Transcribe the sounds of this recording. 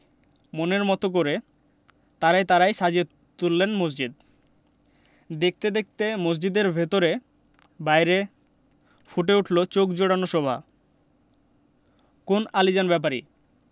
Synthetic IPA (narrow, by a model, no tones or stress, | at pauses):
moneɾmɔt̪ok̬oɾe | t̪aɾajt̪aɾajʃad͡ʑe | t̪ulːenmos̬d͡ʑid̪ | d̪ek̚t̪ed̪ek̚ʰt̪emos̬d͡ʑid̪eɾbʱet̪oɾe | bajɾe | fuʈ̬euʈʰlot͡ɕokd͡ʑoɽanoʃɔbʱa̰ | konalid͡ʑanbɛp̬aɾḭ